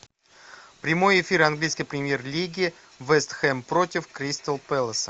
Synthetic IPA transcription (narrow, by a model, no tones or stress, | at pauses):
pɾʲɪmo̞jɪfʲiɾanɡlʲijskʲɪjpɾʲɪmʲje̞rlʲiɡʲɪ | vɛst̪xɛmpɾo̞tʲɪfkɾʲist̪əlˠpɛlˠəsə